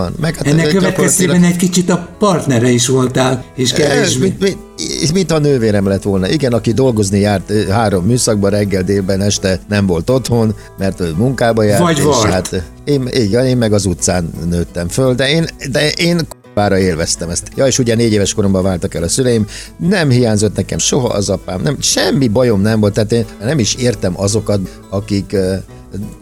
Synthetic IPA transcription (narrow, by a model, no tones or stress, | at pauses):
nmɛkhanːɛkkːøʋɛt̪ɛt̪eːbɛnɛckit͡ʃit̪ɒpɒrt̪nɛɾɛiʃʋo̞lt̪aːleːʃkɛeʃmii | mint̪hɒnøːveːɾɛmlɛt̪ʋo̞lnɒʔiɡɛnɒkid̪o̞lɡo̞znijaːrt̪ɦaːɾo̞mːyːsɒɡ̚bɒɾɛɡːɛld̪eːlbɛnɛʃt̪ɛnɛɱvo̞lt̪o̞t̪ho̞n | mɛrt̪omuŋkaːbɒjaːɾɒːlat̪ | eːmiɡɛneːmːɛɡɒzut̪saːnːøːt̪ːɛɱføld̪ɛeːnd̪ɛʔeːnkoaːɾɒeːlvɛst̪ɛmɛst̪jɒeːʃuɟɛneːɟeːvɛʃko̞ɾo̞mbɒvaːlt̪ɒkɛlɒsylɛjim | nɛmhijaːɲzo̞t̪nɛkɛmʃo̞ɦɒ̰ʔɒ̰zɒpaːmnɛmʃɛmːibɒjo̞mnɛmvo̞lt̪ːaːt̪eːnrnɛmiʃeːrt̪ɛmʔɒzo̞kɒt̪ | ɒkik